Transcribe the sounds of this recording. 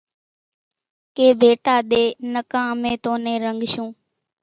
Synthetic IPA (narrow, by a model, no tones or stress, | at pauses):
keːbʱeːʈaːɗ̪eːnəkãːmẽːt̪õːnẽːɾəŋɡʃũː